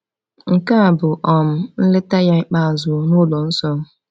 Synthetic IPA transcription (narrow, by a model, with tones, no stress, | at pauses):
ŋ̩˨ka˦a˨bʊ˨ʔɔ˨m̩˦n̩˦lɪ˦ta˦ja˦k͡pa˦˨a˨zʊ˨˦nʊ˦lɔ˨n̩˦sɔ˦